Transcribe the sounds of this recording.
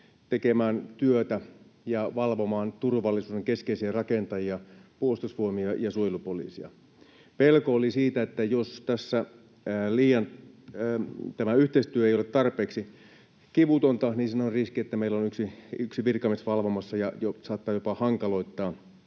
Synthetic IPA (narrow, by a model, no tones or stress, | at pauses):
t̪ekemæːnt̪yøt̪æjɑʋɑlʋomɑːnt̪urʋɑlːisuːdeŋkeskeisiærɑkent̪ɑjiɑpuost̪usʋuomiɑjɑsuojlupolḭːsiɑ̰ | pelkoolisiːt̪æet̪ːæjost̪æsːæ | liːjɑn | t̪æmæyht̪eist̪yøejolet̪tɑrpeːksi | kiʋut̪ont̪ɑniːnsinonriskiet̪ːæmeilːonyksiyksiʋirkɑmesʋɑlʋomɑsːɑjɑjosɑːt̪ːɑːjopɑhɑŋkɑlo̞it̪ːɑː